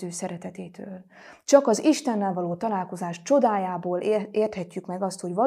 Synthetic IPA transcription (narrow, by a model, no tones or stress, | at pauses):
øːsɛɾɛt̪ɛt̪eːt̪ʰøːl | t͡ʃɒkɒziʃt̪ɛnːɛlvɒloːt̪ɒlaːlko̞zaːʃt͡ʃo̞d̪aːjaːboːleːrt̪hɛcːykmɛɡɒst̪ho̞ɟvɒ